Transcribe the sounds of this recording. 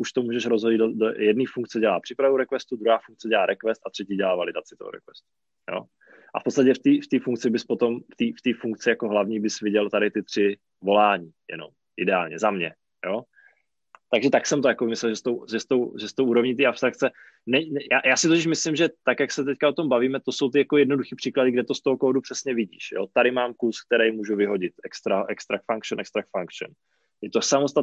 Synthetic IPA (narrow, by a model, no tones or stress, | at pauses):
ʔuʃt̪omuːʒɛʃɾozɦojɪd̪dodojɛdniːfuŋk̚t͡sɛɟɛlaːpr̥ɪpɾavowɾɛkvɛst̪ud̪ɾuɦaːfuŋk̚t͡sɛɟɛlaːɾʔɛkvɛst̪ʔat̪r̥ɛciːɟɛlaːvalɪdat͡sɪt̪oɦo̰ɾɛ̰kvɛ̰st̪u̥ | jo̞̰ː | ʔa̰fpot͡sst̪acɛft̪iːft̪iːfuŋk̚t͡sɪbɪspot̪o̞mft̪iːft̪iːfuŋk̚t͡sɪjakoɦlavɲiːbɪsvɪɟɛlt̪aɾɪt̪ɪt̪r̝̥ɪ | vo̞laːɲiːjɛ̰no̰m | ʔɪdɛaːlɲɛzamɲɛ | jo | t̪aɡʒɛt̪aksɛmt̪ojakobɪmɪslɛlʒɛst̪owʒɛst̪o̞wʒɛst̪owʔuːɾo̞vɲiːt̪̬iːʔapst̪ɾak̚t͡sɛ | nɛɲnjaːjaːsɪt̪ocɪʃ̬mɪslɪmʒɛt̪akjaksɛt̪̬ɛckaot̪o̞mbaviːmɛt̪o̞so̞wt̪ɪjakojɛdno̞duxiːpr̥iːkladɪɡdɛt̪o̞st̪oɦokoːdupr̝̥ɛsɲɛvɪɟḭːʃjo̰t̪aɾɪmaːmkusk̚t̪ɛɾɛjmuːʒuvɪɦo̞ɟɪt̪ʔɛkst̪ɾaʔɛkst̪ɾak̚t̪faŋkʃnʔɛkst̪ɾakt̪faŋkʃn | jɛt̪osamost̪a